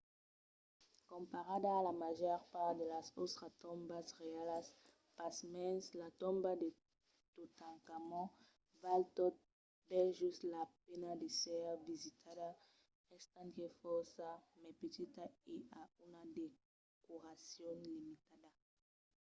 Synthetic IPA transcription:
kompaɾad̪aːlamaʒɔɾpaɾd̪elasot̪ɾat̪ombasʁealas | pasmɛnslat̪ombad̪e | t̪ut̪aŋkamɔ̃ | valt̪ot̪̚ | beʒust̪lapenad̪esɛɾvizit̪ʰada | ɛst̪ant̪efɔɾsamepet̪it̪aeaunad̪e | kuɾasjonlimit̪ad̪a

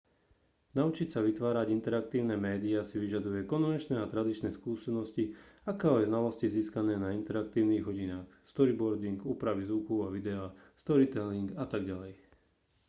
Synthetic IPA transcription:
naut͡ʃicsaʋit̪ʋaːɾaɟint̪ɛɾak̚t̪iːʊnɛmɛːd̪iasiʋiʒad̪ujɛkɔnʋɛnt͡ʃnɛat̪ɾad̪it͡ʃnɛskuːsɛnɔsciakɛɔjznalɔsciziːskanɛːnaint̪ɛɾakt̪iːʊniːɣɦɔɟinaːxst̪ɔɾibɔɾd̪iŋɡuːpɾaʋizʋukuaʋid̪ɛa | st̪ɔɾit̪ɛliŋɡat̪aɡɟalɛj

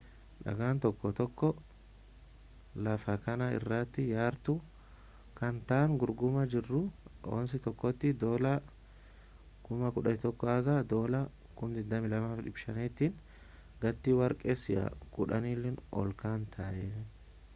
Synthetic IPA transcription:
ᶑɐ̰ɡaːnt̪ɔkːɔt̪ɔkːɔ | lɐfɐkɐnɐɪ̰rːaːt̪ːɪjaːɾt̪ʊ | kɐnt̪aːŋɡʊɾɡʊmɐd͡ʒɪrːʊo̰ːnsɪt̪ɔkːɔt̪ːɪd̪oːlɐ | kʊmɐkʊᶑɐnɪt̪ɔkːɔɐɡad̪o̞ːlɐ | kʊnd̪ɪd̪ːɐmɪlɐmaːfᶑɪbʃɐnɛt̪ːin | ɡɐt̪ːiwɐɾkʼesɪʔɐ̰kʊᶑɐ̰niːlːɛnɔ̰lkaːnt̪ʰɐʔɛ

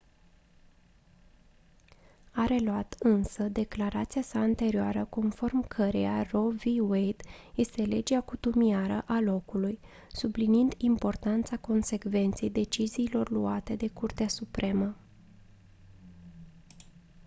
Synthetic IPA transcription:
aɾe̞luat̪ɨnsəd̪e̞klaɾat̪siasaːnt̪e̞ɾioaɾəko̞nfo̞rmkʰəɾḛaro̞viwejd̪je̞st̪e̞le̞d͡ʒeakut̪umiaɾəʔalo̞kuluj | subliniind̪impo̞rt̪ant̪sako̞nse̞kve̞nt̪se̞jd̪e̞t͡ʃiziːlo̞rluat̪e̞d̪e̞kurt̪easupɾe̞mə

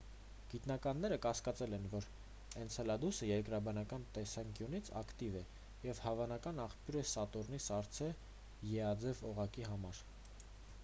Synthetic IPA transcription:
ɡ̥it̪nɑkɑnːɛɾəkɑskɑt͡sɛlɛnvɔɾ | ɛnt͡sʰɛlɑd̪usəjɛɾkɾɑbɑnɑkɑnt̪ɛsɑŋkjunit͡sʰɑ̰kt̪ivɛ | jɛvhɑvɑnɑkɑnɑχpjuɾɛsɑt̪ɔɾnisɑɾt͡sʰɛ | jɛɑd͡zɛvɔʁɑkiɦɑmɑɾ

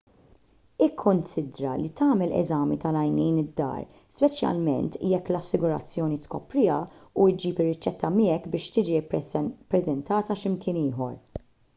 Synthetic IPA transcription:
ɪkʰːʊnsɪd̪ɾɐlit̪ɐːmɛlɛ̰zɐːmit̪ɐlɐjniːnɪd̪ːɐ̰ːɾ | spɛt͡ʃjɐ̰lmɛ̰nt̪jɛkːlɐsːɪɡʊɾɐ̰t͡sːjɔːnit̪kɔpɾɪːjɐuɪd͡ʒiːpɪrːɪt͡ʃːɛt̪ːɐmɪːɛkbɪːʃt̪ɪːd͡ʒippːɾɛzɛnt̪ɐːt̪ɐʃɪmkɪːnɪːɦɔ̰ɾ

